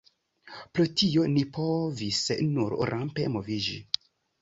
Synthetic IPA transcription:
pɾotio̞nipʰo̞visnuɾɾʔampemovid͡ʒḭ

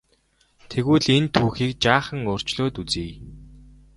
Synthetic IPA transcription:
t̪ʰeɣuːɮent̪ʰuːxiːk̚t͡ɕaːχə̆ŋʊːr̥t͡ɕɮoːt̪ut͡siːj

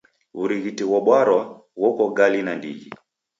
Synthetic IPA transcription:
uɾiɣitɛwɔɓwaɾwa | wɔkɔɡalinandḭɣḭ

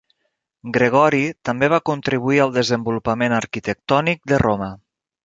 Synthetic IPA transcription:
ɡɾəɣ̞ɔɾit̪əmbeβakunt̪ɾiβuiəlˠd̪əzəmbulupəmenəɾkit̪ək̚t̪ɔnik̚d̪ərʔomə

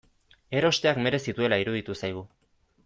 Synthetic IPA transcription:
e̞ɾo̞st̪e̞akme̞ɾe̞sit̪ue̞laiɾuðit̪usajɣ̞u

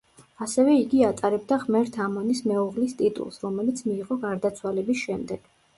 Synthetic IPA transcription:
asɛvɛiɡiat̪ʼaɾɛbd̪aʁmɛɾt̪ʰamɔnismɛuʁlist̪ʼit̪ʼṵlˠsɾɔmɛlit̪sʰmiːʁɔɡaɾd̪at̪sʰwalɛbisʃɛmd̪ɛɡ̥

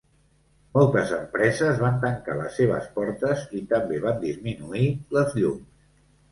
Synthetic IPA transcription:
mɔlˠt̪əzəmpɾɛzəzβant̪əŋka̰ləsːeβ̞ə̰spɔɾt̪əzit̪əmbeβand̪izminuiləzʎums

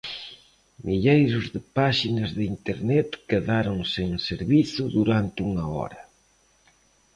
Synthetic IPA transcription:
mʔiʎejɾʊzðɪpaʃinɐzðɪint̪eɾnɛt̪keðaɾoŋseŋseɾβiθʊðuɾant̪ɪuŋɐɔ̰ɾɐ

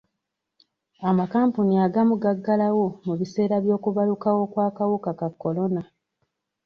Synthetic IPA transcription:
amakaːmpuniaɡamuɡaɡːalawo̞muβise̞ːɾaβjo̞ːkuβalukawo̞kwaːkawukakakːo̞lo̞na

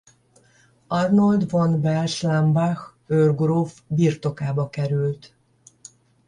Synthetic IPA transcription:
ɒrnold̪vonbɛlʃlambax | ørɡrovbirt̪o̞kaːbɒkɛɾylt̪

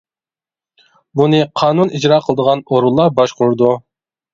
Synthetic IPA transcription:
bunɨqʰɑːnunʔid͡ʒɾɑːqʰəlˠəd̪əʁɑnoɾulˠːɑbɑʃqʊɾd̪u

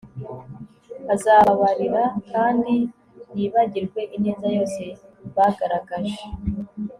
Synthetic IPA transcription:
azaβaɾiɾakʰaːndi | jiːβaɟiɾɡwe̞ʔineːzajo̞ːse̞βaɡaɾaɡaʒe

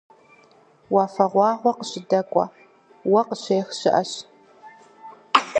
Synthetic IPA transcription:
wɑːfɐʁʷɑːʁʷɔqəɕɪdɐkʷʼɔ̰ | wɐqəɕeːxɕɪʔɐɕ

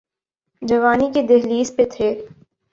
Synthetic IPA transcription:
d͡ʒɐʋaːniked̪eɦliːspet̪ʰeː

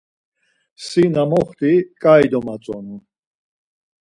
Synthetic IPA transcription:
sinamɔχt̪ʰʼikʼajd̪ɔmat͡sʼɔnu

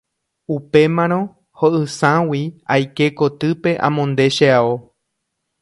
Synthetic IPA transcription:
upe̞mãɾ̃õ̞ | hoʔɨsãwiajke̞ko̞t̪ɨpe̞ʔã̰mõnd̪e̞ʃeao

